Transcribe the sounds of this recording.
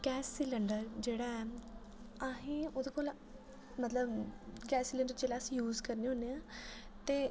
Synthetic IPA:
ɡɛːsːiləɳɖəɾd͡ʒeːɽaːɛː | aɦĩːoːd̪eːkoːl | mət̪ləbɡɛːsilə̃ɳɖəɾd͡ʒeːɽaːəsĩːjuːzkəɾneːɦõːneːãːt̪eː

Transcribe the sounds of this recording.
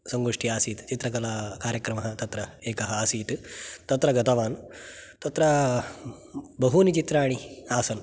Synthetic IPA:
sɐŋɡoːʂʈiaːsiːt̪t͡ʃit̪ɾɐkɐlaːkaːɾjɐkɾɐmɐɦɐt̪ɐt̪ɾɐeːkɐɦɐaːsiːt̪t̪ɐt̪ɾɐɡɐt̪ɐʋaːnt̪ɐt̪ɾɐ | bɐɦunit͡ʃit̪ɾaːɽ̃iaːsɐn

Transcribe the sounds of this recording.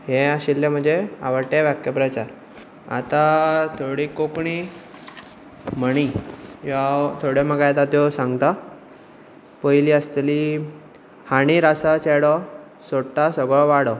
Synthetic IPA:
ɦeaɕilt̪ẽm̤əɳd͡zea̰ʋəɾʈeʋakjəpɾat͡ɕaɾ | a̰t̪at̪ʰoɽikokɳi | m̤əɽ̃ijat̪ʰoɽjeməɡajt̪at̪jɔsãŋɡt̪a | pəjliəst̪li | haɽ̃iɾasat͡seɽɔ | soʈːasəɡɭɔʋaɽɔ

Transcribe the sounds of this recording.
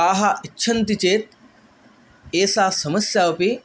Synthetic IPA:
aːɦaʔitːʃʰɐnt̪it͡ʃeːt̪̚ | eːsaːsɐməsjawɐpi

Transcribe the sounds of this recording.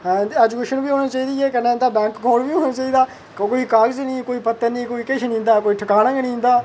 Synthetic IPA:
ɛːd͡ʒukeːʃənbiːɦoːñiːt͡ʃaːiːd̪iːɛːkənẽːnd̪aːbɛ̃ːŋkɡoːlbiːɦoːnãːt͡ʃaːiːd̪aː | koːiːkaːɾd͡ʒnĩːkoːiːpət̪ːənĩːkoːiːkɪʃʰnĩːnd̪aːkoːiːʈʰəkaːnãɡnĩːnd̪aː

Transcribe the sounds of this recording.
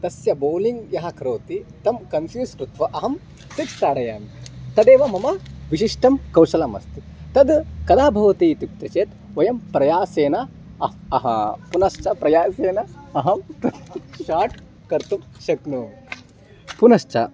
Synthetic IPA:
t̪ɐsjɐboːliŋɡjɐɦɐ̆kɾoːt̪it̪ɐmkɐnfjuːsɾut̪ʋɐʔɐɦɐm | sikst̪aːɽɐjaːmt̪ɐd̪eːʋɐmɐmɐʋiʃiʂʈɐmkɐwʃɐlɐmɐ̰st̪i̥ | t̪ɐd̪kɐd̪aːbʱɐʋɐt̪iːt̪uk̚t̪ɾɐt͡ʃeːt̪ | ʋɐjɐmpɾɐjaːseːnɐ | ɐɐɦɐ̰punɐʃt͡ʃɐpɾɐjaːseːnɐɐɦɐmt̪ɐʃaːʈ | kɐɾt̪umʃɐknu | punɐʃt͡ʃɐ̰

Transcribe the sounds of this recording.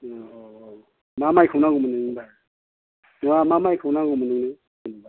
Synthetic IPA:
ɔ | mamajkʰɯwnaɡumɯnɯŋba | nɔamamajkʰɯwnaɡɔmɯnɯŋnɯ | ɡunba

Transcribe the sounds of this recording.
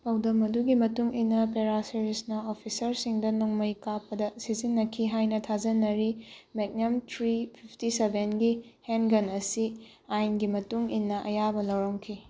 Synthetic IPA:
pawdɐmɐduɡimɐtuŋinːɐpeɾaseɾisnɐopʰisɐɾsiŋdɐnuŋmɐjkapːɐdɐsizinːɐkʰiɦajnɐtʰazɐnɐɾimek̚nɐmtɾipʰipʰtisebʱenɡi | henɡɐnɐsi | ajnɡimɐtuŋinːɐʔɐjabɐlɐwɾɐŋkʰi

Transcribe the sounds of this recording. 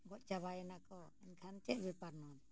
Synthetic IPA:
ɡɔʔt͡ʃaβajɛnakɔɛnkʰant͡ʃɛʔbipaɾnɔt̪

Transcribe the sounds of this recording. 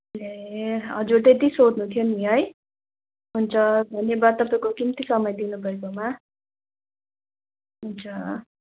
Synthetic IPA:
leɦʌd͡zuɾt̪et̪isod̪nut̪ʰijoniɦʌj | ɦunt͡sʰʌbʱʌnebat̪ʌp̬akokimt̪isʌmʌjd̪inubʌekoma | ɦunt͡sʰʌ

